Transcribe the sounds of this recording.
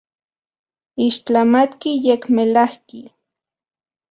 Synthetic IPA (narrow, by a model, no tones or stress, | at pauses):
iʃt͡ɬamat̪kijekmelahki